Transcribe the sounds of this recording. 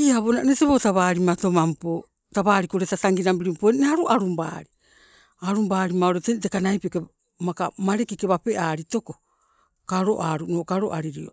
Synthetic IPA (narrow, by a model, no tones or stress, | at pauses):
iaβonaneteβotaβaːɾimato̞mampo | taβaːɾikoɾetataŋɡinambiɾimpoeneaɾuʔaɾumba̰ɾi | aɾumbaːɾimaoɾetentekanajpioke | makamaɾekikeβape̞ʔaːɾito̞ko̞ | kaɾo̞ʔaɾunoːkaɾo̰ʔaɾiɾio̰